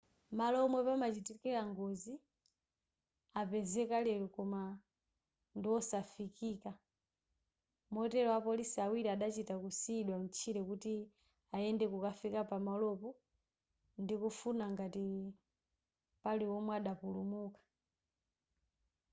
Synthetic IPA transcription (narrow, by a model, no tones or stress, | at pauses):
malɔmwɛpamat͡ʃitikɛlaŋɡɔzi | apɛzɛkalɛɾɔkɔma | ndiwɔsafikiːka | mɔtɛlɔwapɔlisiawiɾiaɗat͡ʃitakusiːɗwam̩t͡ʃʰiɾɛkuti | aɛndɛkukafikapamalɔpɔ | ndikufunaŋɡati | paliwɔmwɛaɗapulumukḁ